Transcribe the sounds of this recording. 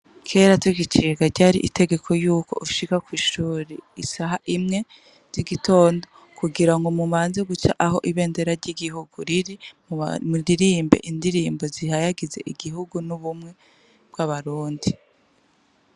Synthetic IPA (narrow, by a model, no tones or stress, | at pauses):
kʰe̞ːɾatwiɡit͡ʃiːɡaɾɟaːɾiʔite̞ɡe̞kʰo̞juːko̞̰ʔuʃikakwiːʃuːɾeisaɦaʔimŋe̞ | z̥iɡito̞ːndo̞ | kuɡiɾaŋɡomumaːnzeɡut͡ʃa̰ʔaho̞̰ʔiβe̞ːnde̞ɾaɾɟiɡiɦuɡuɾiɾi | mudiɾiːmbe̞̰ʔindiɾiːmbo̞zihajaɡize̞̰ʔiɡiɦuɡunuβumŋe̞ | b̥̚ɡaβaɾuːndi